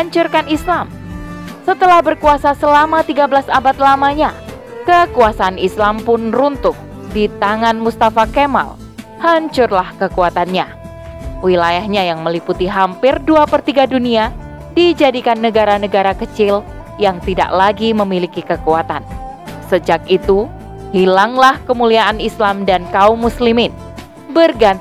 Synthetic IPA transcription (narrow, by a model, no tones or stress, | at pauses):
haɲt͡ʃʊrkanislam | sət̪əlahbərkuasasəlamat̪iɡabəlasabat̪̚lamaɲa | kəkuasaːnislampʊnrunt̪ʊk̚ | dit̪aŋanmust̪afakema̰l | haɲt͡ʃʊrlahkəkuat̪anɲa | wilajahɲajaŋməliput̪iɦampɪrduapərt̪iɡadunia | did͡ʒadikanːəɡaɾanəɡaɾakət͡ʃɪl | jaŋt̪ida̰ʔlaɡiməmilikikəkuat̪an | səd͡ʒak̚it̪u | hilaŋlahkəmuliaʔanislamdankaumːuslimɪn | bərɡa